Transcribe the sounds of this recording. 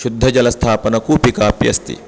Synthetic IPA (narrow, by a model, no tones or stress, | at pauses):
ʃud̪ʱːɐd͡ʒɐlɐst̪ʰaːpɐnɐkuːpikaːpjɐ̰st̪ḭ